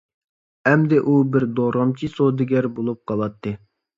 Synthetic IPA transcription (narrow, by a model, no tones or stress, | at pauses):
ɛmd̪ɪʔubɪɾd̪oɾɑmt͡ʃʰisod̪ɪɡʲɛɾbolˠup̚qʰɑlˠɑt̪ʰːɨ